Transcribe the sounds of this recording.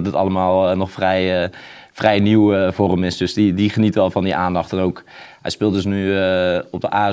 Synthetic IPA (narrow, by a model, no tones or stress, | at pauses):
tətɑ̰ləmaːlˠnɔχfrɛj | frɛjniwəvoːrəmɪsdɵsdidiχənitʋɛlˠvɑndiʔaːndɑχtɛnowkɦɛ̰jspɪːlˠtdəs̬ny | ɔb̚dəʔaː